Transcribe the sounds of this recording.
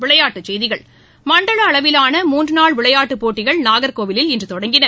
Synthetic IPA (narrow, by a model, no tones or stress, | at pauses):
ʋɪɭɐjaːʈːɯt͡ʃːɛjðɪɣɐɭ | mɐɳɖɐɭɐːɭɐʋɪlaːnɐmuːndrɯnaːɭʋɪɭɐjaːʈːɯpoːʈːɪɣɐɭnaːɣɐɾkoːʋɪlɪlɪndrɯt̪ɔɽɐŋɡɪnɐ